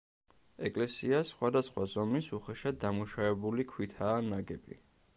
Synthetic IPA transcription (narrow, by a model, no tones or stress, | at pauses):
ɛkʼlɛsiasχwad̪asχwazɔmisuχɛʃad̪amuʃavɛbulikʰwit̪ʰaːnaɡɛbḭ